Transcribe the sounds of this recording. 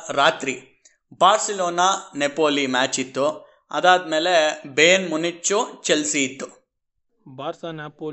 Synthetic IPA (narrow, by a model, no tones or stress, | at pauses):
ɾaːt̪ɾi | baːɾsiloːnaːnepoːlimaːt͡ʃit̪ːu | ɐ̰d̪aːd̪me̞ːlebeːnmunːit͡ʃːut͡ʃelsiːt̪ːu | baːɾsanapoː